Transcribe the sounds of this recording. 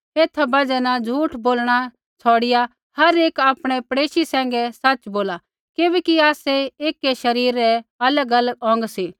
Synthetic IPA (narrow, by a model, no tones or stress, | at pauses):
eːt̪ʰabɐd͡ʒɛnad͡zʱuːʈʰboːlɽ̃a | t͡sʰɔːɽɪja | hɐɾeːkaːpɽ̃ɛpɐɽeːʃisɛ̃ːŋ̆ɡɛsɐt͡ʃboːla | keːbɛːkiaːsɛeːkːɛʃɐɾiːɾɛɐləɡɐləɡɔ̃ːŋɡsi